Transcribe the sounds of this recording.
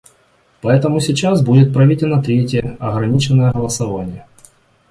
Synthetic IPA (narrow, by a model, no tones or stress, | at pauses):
pɐɛt̪əmʊsʲɪt͡ɕasbudʲɪt̪̚pɾɐvʲitʲɪlʲnət̪ɾʲetʲɪjəɐɣɾɐnʲit͡ɕɪnːəjəɣəlˠəsɐvanʲɪjə